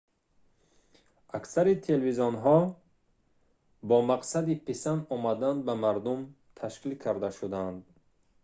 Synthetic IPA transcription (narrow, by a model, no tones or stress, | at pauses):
ʔaksaɾit̪ʰelvizɔnɦɔ | bɔmaqsad̪ipʰesanɔmad̪and̪̚bamaɾd̪um | t̪ʰaʃkilkʰaɾd̪aʃud̪and̪